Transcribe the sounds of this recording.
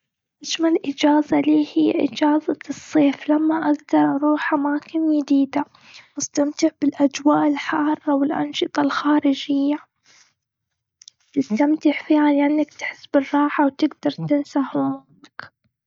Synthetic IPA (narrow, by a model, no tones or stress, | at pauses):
ʔaʃmalʔɪd͡ʒaːzaliːhijːaʔɪ̰d͡ʒaːzasˤːeːflamːaʔaɡd̪ɑɾˤʔɑɾˤuːħʔamaːkɪnjɪd̪iːd̪a | wɪst̪amt̪ɪʕbɪlʔad͡ʒwaːʔɪlħɑːrˤːɑwɪlʔɑ̰nʃɨt̪ˤɑlxaːɾɪd͡ʒɪjːa | t̪ɪst̪amt̪ɪʕfiːʕaljaʔɪnːakt̪ħɪsːbɪrˤːɑːħawt̪ɪɡd̪ɑɾˤt̪ɪnsahʊnɪk